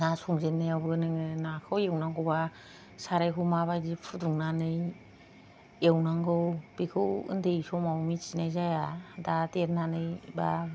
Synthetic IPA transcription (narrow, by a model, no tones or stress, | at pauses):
nasɔŋzetnːɯjawbɯnɯŋɯnakʰɯwewnaŋɡɯwba | saɾajkʰumaβajdipʰuduŋnanɯj | ewnaŋɡɯwbikʰɯwɯ̰ndejsɔmawmit͡ʃinajzajadatet̚nanɯjba